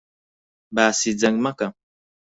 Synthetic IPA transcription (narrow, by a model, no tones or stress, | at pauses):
basid͡zaŋmaka